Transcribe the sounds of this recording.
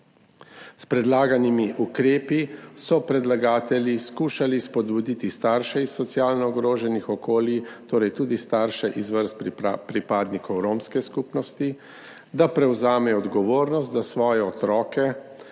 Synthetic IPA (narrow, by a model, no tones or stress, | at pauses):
spɾɛd̪laːɡanimiʔukɾeːpisɔpɾɛd̪laɡaːt̪ɛljiskuːʃalispɔd̪bud̪it̪ist̪aːɾʃɛisːɔt̪siaːlnɔːɡɾoːʒɛnixɔkoːlit̪oːɾɛjt̪uːd̪ist̪aːɾʃɛʔizʋəɾst̪pɾipaːd̪nikɔwɾoːmskɛskuːpnɔst̪i | d̪apɾɛwzaːmɛɔɔd̪ɡɔʋoːɾnɔst̪d̪asʋɔːjɛɔt̪ɾɔːkɛ